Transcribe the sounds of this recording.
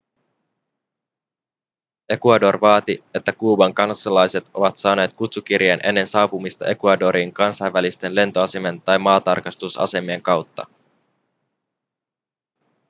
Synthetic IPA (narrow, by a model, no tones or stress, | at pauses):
e̞kuɑdo̞rʋɑːt̪ie̞t̪ːækuːbɑŋkɑnsɑlɑjse̞t̪o̞̰ʋɑt̪sɑːne̞ːt̪kut̪suk̟irjenʔe̞nːe̞nsɑːpumist̪ɑʔe̞kuɑdo̞ɾiːŋkɑnsɑjʋːælist̪e̞nle̞nt̪oɑse̞me̞nt̪ɑjmɑːt̪ɑrkɑst̪usɑ̰se̞mieŋkɑwt̪ːɑ̰